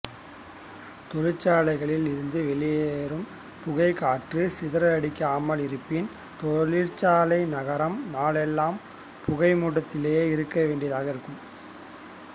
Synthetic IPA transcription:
t̪ɔɻɪt͡ʃːaːlɐɪɣɐɭɪlɪɾɯnd̪ɯʋɛɭɪjeːɾɯm | pʊɣɐɪkaːʈrɯsɪðɐɾɐɐɽɪkːɐaːmɐɭɪɾɯpːɪn | t̪ɔɭɪɻt͡ʃːaːlɐɪnɐɣɐɾɐmnaːɭɛlːaːm | pʊɣɐɪmuːʈːɐt̪ːɪleːeːɪɾɯkːɐʋeːɳɖijɐðaːɣɐɪɾɯkːɯm

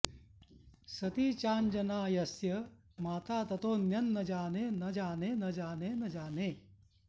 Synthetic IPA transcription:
sɐt̪iːt͡ʃaːnd͡ʒɐnaːjɐsjɐ | maːt̪aːt̪ɐt̪oːnjɐnːɐd͡ʒaːneːnɐd͡ʒaːneːnɐd͡ʒaːneːnɐd͡ʒaːneː

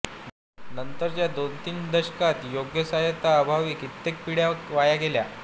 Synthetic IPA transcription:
nənt̪əɾt͡ɕjad̪ont̪iːnd̪əɕkat̪joɡjəsajet̪aːbʱaʋiːkit̪ːek̚piɽjaʋajaɡelja

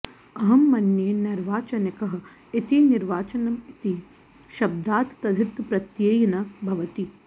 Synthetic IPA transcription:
ɐɦɐmːɐnjeːnɐɾʋaːt͡ʃɐnɐkɐɦɐ̆ | it̪iniɾʋaːt͡ʃɐnɐmit̪i | ʃɐb̚d̪aːt̪t̪ːɐd̪ʱit̪pɾɐt̪jeːjɐnɐbʱɐʋɐt̪i

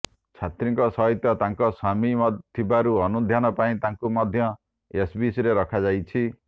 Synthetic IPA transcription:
t͡ʃʰat̪ɾiŋkɔsɔɦit̪jɔt̪aŋkɔsamimt̪ʰibaɾuɔnud̪ʱjanɔpaĩt̪aŋkumɔd̪ʱjɔ | esbisɾeɾɔkʰad͡ʒajt͡ʃʰi

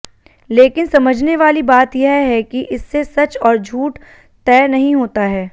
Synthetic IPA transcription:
leːkɪnsɐməd͡ʒʱneʋaːlibaːt̪jeɦɦɛkiʔɪsːesɐt͡ʃɔːɾd͡ʒʱuːʈ | t̪ɛːnɐɦĩɦoːt̪aɦɛː

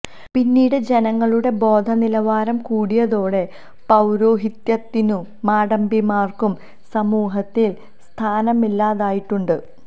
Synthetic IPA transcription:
pinːiːɽɨd͡ʑe̞nɐŋːɐɭuɽe̞bo̞ːd̪ʱɐnilɐʋaːɾɐmkuːɽijɐðo̞ːɽe̞ | pɐwɾoːɦit̪jɐt̪ːinuː | aːɽɐmbimaːrkum | sɐmuːɦɐt̪ːil | st̪ʰaːnɐmilːaːðaːjiʈːuɳɖɨ

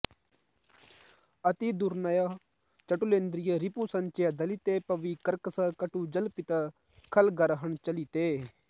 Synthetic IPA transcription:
ɐt̪id̪uɾnaja | t͡ʃɐʈulẽːnd̪ɾɪjəɾɪpusɐnt͡ʃeːad̪ɐlit̪eːpɐʋikəɾkəsəkəʈuːd͡ʒɐlpɪt̪a | kʰɐlɡəɾɦəɳt͡ʃɐlit̪eː

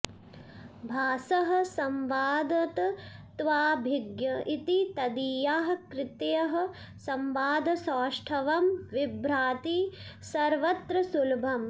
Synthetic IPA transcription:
bʱaːsɐɦɐ̆sɐmʋaːd̪ɐt̪t̪ʋaːbʱiɡjɐit̪it̪ɐd̪iːjaːɦɐkɾɪt̪jɐɦɐ̆ | sɐmʋaːd̪ʱɐsaːʂʈʰɐʋɐmʋibɾaːt̪isɐɾʋɐt̪ɾɐsulbʱɐm

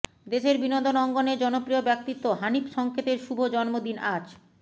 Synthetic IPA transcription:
d̪eʃeɾbinond̪onɔŋɡoneɾd͡ʑɔnopɾiobɛk̚t̪it̪ːoɦanipʃɔŋkʰet̪eɾʃubʱod͡ʑɔnmod̪inad͡ʑ

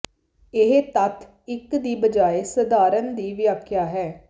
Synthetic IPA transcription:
ɪɦet̪ət̪ʰ | ɪkd̪iːbəd͡ʒaːeːsəd̪aːɾənd̪iːʋjaːkʰjaːɦɛː

